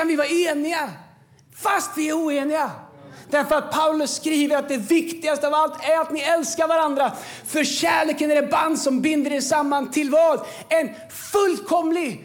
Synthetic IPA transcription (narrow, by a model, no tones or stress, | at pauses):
anvɪvɑːɾaeːnɪɡa | fast̪vɪæɾuːeːnɪɡad̪̥æɾfœɾat̪̚pʰaʊlɵsːkɾiːvəɾat̪̚d̪ɛvɪkt̪ɪɡast̪əɑvalt̪æɾat̪nɪɛlskaɾvaɾand̪ɾafœɾɕæːɭeːkənæɾɛband̪sɔmbɪnd̪əɖɛsamːant̪ʰɪlvɑːd̪ | ɛn | fɵlːkʰɔmlɪɡ